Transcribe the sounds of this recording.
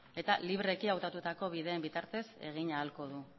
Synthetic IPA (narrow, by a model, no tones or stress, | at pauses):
e̞t̪aliβɾe̞kiawt̪at̪ut̪ako̞βiðe̞ːmbit̪aɾt̪e̞se̞̰ɣ̞iɲaːlko̞ð̞u